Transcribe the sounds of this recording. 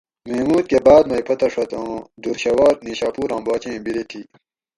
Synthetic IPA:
memuːt̪̚kebaːd̪mɐipʰɐt̪ɐʂɐt̪õd̪uɾɕɐwaːɾniːɕaːpuːɾãːbaːt͡ɕẽːbiɾet̪ʰiː

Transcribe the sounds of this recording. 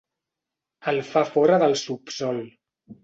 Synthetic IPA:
əlˠfafɔɾəðəlˠsupsɔlˠ

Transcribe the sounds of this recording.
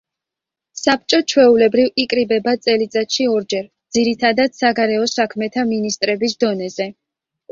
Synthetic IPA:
sap̚t͡ʃʼɔt͡ʃʰwɛulɛbɾivikʼɾibɛbat̪sʼɛlit̪sʼat̪ʃiɔɾd͡ʒɛɾd̪z̥iɾit̪ʰad̪ad̪̥saɡaɾɛɔsakʰmɛt̪ʰaminist̪ʼɾɛbisd̪ɔnɛzɛ

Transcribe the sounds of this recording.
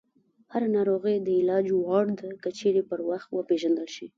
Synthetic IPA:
haɾanɑɾoɣəjd̪əɪlɑd͡ʒwɑɽd̪akət͡ʃeɾepəɾwaxt̪wəpeʒand̪əlʃi

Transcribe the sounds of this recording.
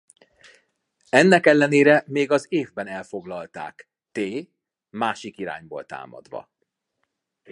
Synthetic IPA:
ɛnːɛkɛlːɛneːɾɛmeːɡɒzeːvbɛnɛlfo̞ɡlɒlt̪a̰ːk | t̪eː | maːʃikiɾa̰ːɲbo̰ːlt̪a̰ːmɒ̰d̪ʋɒ̰

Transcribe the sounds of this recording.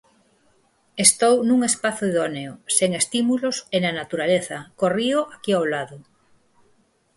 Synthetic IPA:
est̪ownuŋespaθoiðoneoseŋest̪imulosenanat̪uɾaleθɐkorioʔakiawlaðʊ

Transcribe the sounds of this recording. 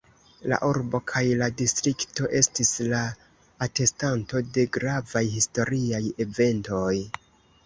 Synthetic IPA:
la̰ʔuɾbo̞kʰajladistɾikto̞ʔe̞stislaː | te̞stanto̞de̞ɡɾavajhisto̞ɾiaje̞ve̞nto̞j

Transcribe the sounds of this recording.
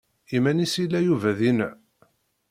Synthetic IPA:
imænisilːæjuvæðinə

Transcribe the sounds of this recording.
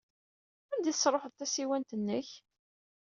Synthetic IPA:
ænd̪iθəsɾˤoħəðˤt̪æsiwænt̪ənːəç

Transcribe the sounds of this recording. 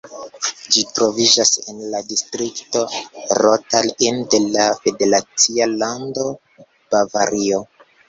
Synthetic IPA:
d͡ʒitɾo̞vid͡ʒasenladistɾikto̞ɾotalinde̞lafe̞de̞ɾat͡sialando | b̥ava̰ɾio

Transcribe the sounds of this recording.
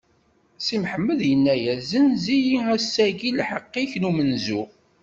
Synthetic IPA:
simħəmːəðjənːæjæzənzijiæsːæɡilħəqːiçnumənzu

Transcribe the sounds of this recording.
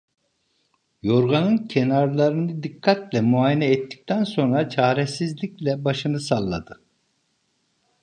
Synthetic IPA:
jo̞ɾɡanɯncʰenaɾlˠaɾɯnɯd̪ikʰːat̪lʲɛmuajinɛɛt̪ːi̥c̚t̪ʰænso̞nɾat͡ʃʰaːɾɛsizlʲiclʲɛbaʃɯnɯsalˠːa̰d̪ɯ

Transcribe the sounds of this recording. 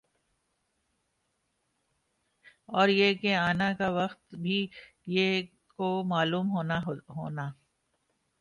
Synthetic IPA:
ɔːɾjeːkeaːnakaʋɐxt̪bʱi | je | komaːluːmɦoːnaɦo̰ːnaː

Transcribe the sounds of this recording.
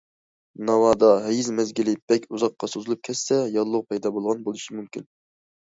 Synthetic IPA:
nɑwɑːd̪ɑɦɛjizmɛzɡʲilɪb̥ɛkʲʰuzɑqːɑsozɨlˠup̚kʲʰɛsːɛjɑlˠːʊʁpʰɑjd̪ɑbolˠʁɑnbolˠuʃimumkʲin

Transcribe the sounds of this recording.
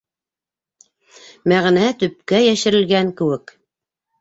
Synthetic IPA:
mæʁnæt̪ɵ̆p̚kæjæʃɘ̆ɾɘ̆lɡæŋkɘ̆wɘk

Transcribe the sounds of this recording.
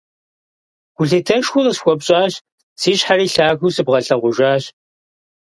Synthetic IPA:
ɡ̥ʷʊɮetʰɐʃxʷʊrɨsxʷɔpɕʼaːɕ | siːɕħariːɬaːɣusɨbʁɐɬɐʁʷʊʒaːɕ

